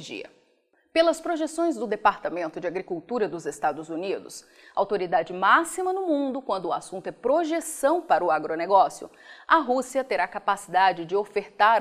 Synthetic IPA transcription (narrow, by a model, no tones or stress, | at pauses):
ʒḭɐ̰ | pelɐspɾoʒesõj̃zd̪ʊd̪epaɾt̪amẽnt̪ʊd͡ʒɪaɡɾikuwt̪uɾɐd̪ʊzest̪ad̪ʊzunid̪ʊ̰s | a̰wt̪oɾid̪ad͡ʒɪmasimɐnʊmũnd̪ʊkwɐ̃nd̪ʊːasũnt̪ʊɛpɾoʒesɐ̃w̃paɾɐʊaɡɾoneɡɔsjʊ̰ɐɦusiɐt̪eɾakapasid̪ad͡ʒɪd͡ʒɪofeɾt̪aɾ